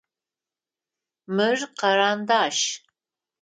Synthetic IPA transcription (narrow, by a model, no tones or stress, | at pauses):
mɨrqɐɾaːnd̪aːʃ